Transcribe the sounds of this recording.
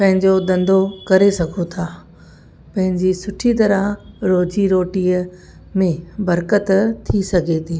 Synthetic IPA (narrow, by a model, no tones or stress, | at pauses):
pɐ̃ɦɪ̃ɲd͡ʑod̪ɐ̃nd̪ʱokɐɾesɐɡʱot̪ʰaː | pɐ̃ɦɪ̃ɲd͡ʑisʊʈʰit̪ɐɾaɦɾoːd͡ʑiɾoːʈiːə | mẽbɐɾkət̪t̪ʰːisɐɡʱet̪ʰiː